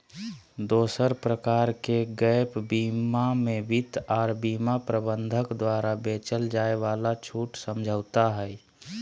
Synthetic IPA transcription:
d̪oːsəɾpɾəkaːɾkeɡəjpbiːmamẽʋɪt̪aːɾbiːmapɾəbə̃nd̪ʱəkd̪waːɾabeːt͡ʃəld͡ʒaːeʋalat͡ʃʰuːʈsəmd͡ʒʱəʊt̪aɦɛɛ

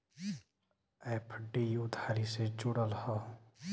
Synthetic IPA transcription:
eːpʰɖiʊd̪ʱaːɾiset͡ʃʊɽəlhɔ

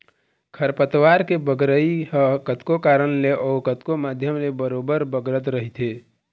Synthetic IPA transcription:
kʰəɾpət̪waɾkebəɡɾəiɦəkət̪kokaːɾənleʔɔːkət̪komad̪ʱjəmlebəɾoːbəɾbəɡɾət̪ɾəɦit̪ʰe

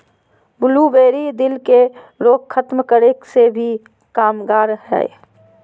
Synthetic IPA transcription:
bʊlubeːɾid̪ɪlke | ɾoːkkʰət̪mkəɾeksebʱi | kaːmɡaːɾɦɛ̰ː

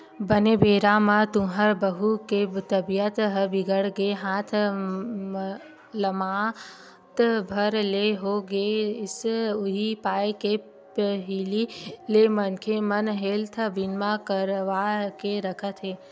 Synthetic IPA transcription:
bənebʱeːɾamãt̪ũɦəɾbəɦuket̪əbijət̪ɦəbɪɡəɽɡeɦãːt̪ʰ | ləmaː | t̪bʱəɾleɦoɡeɪsʊɦipaːjke | pəɦililemənkʰemɐnɦeːlt̪ʰəbinmakəɾʋakeɾəkʰət̪ʰɦeː

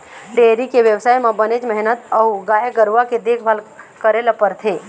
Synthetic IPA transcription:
ʈeɾikeʋjəʋsaːjmãbəned͡ʒməɦinət̪əwɡaːjəɡəɾʋaked̪ekʰbʱalkəɾelapəɾt̪ʰe

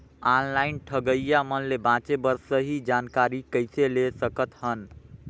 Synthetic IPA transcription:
anlaɪnʈʰəɡəjjamənlebãt͡ʃebəɾsːəɦid͡ʒankaɾikəɪselesəkət̪hən

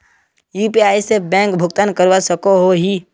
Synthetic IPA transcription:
juːpiaːjsebɛ̃ːŋkbʱʊɡt̪ankəɾʋasəkoɦoɦi

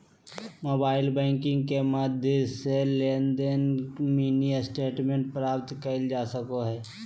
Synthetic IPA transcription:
moːbaːɪlbɛ̃ːŋkɪ̃ŋɡkemaːd̪ʱjeseleːnd̪enmiːniəsʈeːʈmẽɳʈ̚pɾaːp̚t̪kəld͡ʒaːsəkoɦɛː

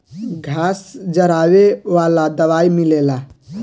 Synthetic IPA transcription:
ɡʱaːsd͡ʒəɾaːweʋaːlad̪əʋaːimilela

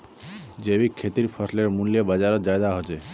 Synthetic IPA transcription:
d͡ʒebikʰːet̪iɾpʰɔsleɾmunlijebad͡ʒaɾɔd͡ʒaed̪aɦot͡ʃe

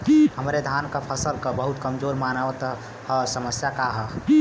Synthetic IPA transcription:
həmɾed̪ʱankəpʰəsəlkəbəɦut̪kəmd͡ʒoɾmanəʋət̪ | həsəməsjakaɦə

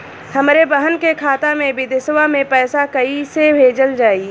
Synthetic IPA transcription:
hɐmɾebəɦənkekʰaːt̪amẽbʱid̪ɪswamẽpɛːsakɐisebʱeːd͡ʒəld͡ʒaːiː

